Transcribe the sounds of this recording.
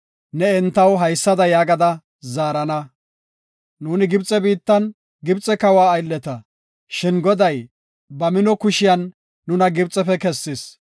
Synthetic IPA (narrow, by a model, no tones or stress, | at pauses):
nɛɛnt̪ːɐwɦɐjsːɐd̪ɐjaːɡɐd̪ɐ | zaːɾɐnɐ | nuːnɪɡɪbt͡sʼɛbiːt̪ːɐn | ɡɪbt͡sʼɛkɐwaːjlːɛt̪ɐ | ʃɪnɡɔd̪ɐj | bɐmɪnɔkʊʃɪjɐnː | ʊnɐɡɪbt͡sʼːɛfɛkɛsːɪs